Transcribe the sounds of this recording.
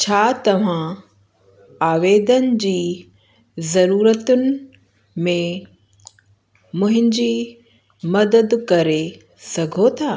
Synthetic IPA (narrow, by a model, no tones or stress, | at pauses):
t͡ɕʰaːt̪ɐʋ̤ã | aːʋeːd̪ənɪ̆d͡ʑiː | zɐɾuːɾət̪ʊnɪ̆ | mẽ | mʊ̃ɦɪ̃ɲd͡ʑiː | mɐd̪əd̪kɐɾe | sɐɡʱot̪ʰaː